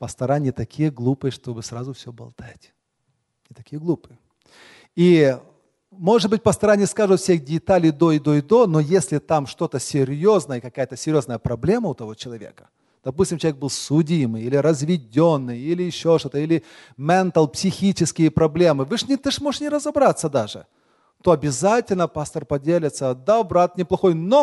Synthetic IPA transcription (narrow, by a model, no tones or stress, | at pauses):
pəst̪ɐɾanʲɪjət̪ɐkʲʰijəɡlˠupɨjəʂt̪o̞bɨsrazʊfsʲobɐ̰lˠt̪atʲ | nʲɪt̪ɐkʲijəɡlˠupɨjə | i | mo̞ʐɨd̪̚bɨt̚ʲpəst̪ɐɾanʲɪjəskaʐɨt̪fsʲexdʲɪt̪alʲɪjd̪oɪd̪oɪd̪o̞nojesʲlʲɪt̪amʂt̪o̞t̪əsʲɪɾʲjo̞znəjəkɐkajət̪əsʲɪɾʲjo̞znəjəpɾɐblʲe̞məʊt̪ɐvo̞t͡ɕɪlˠɐvʲḛkə̥ | d̪̥ɐpusʲtʲɪmt͡ɕɪlˠvʲeɡ̚bɨlˠsʊdʲijmɨjilʲɪɾəzvʲɪdʲo̞nːɨjilʲɪɪɕːo̞ʂt̪o̞t̪əilʲɪ | mʲɛnt̪əlˠpsʲɪxʲit͡ɕɪskʲɪjəpɾɐblʲe̞mɨvɨʂnʲɪt̪ɨʂmoʐɨʂnʲɪɾəzɐbɾat̪sːəd̪aʐɨ̰ | t̪o̞ɐbʲɪzatʲɪlʲnəpast̪ərpɐdʲelʲɪt̪səd̪abɾat̪̚nʲɪplˠɐxo̞jno